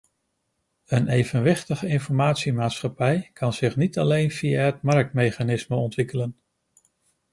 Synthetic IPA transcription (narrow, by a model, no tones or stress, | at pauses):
ənejvənʋɪχtəχəɪnfɔɹmaːtsimaːtsχɑpɛjkʰɑnz̥ɪχnitɑlejnv̥ijaɦətmɑɹk̚tmejχanɪsməɔntʋɪkələn